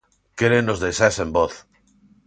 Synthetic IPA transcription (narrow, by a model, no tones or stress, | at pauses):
keɾenozðejsasemboθ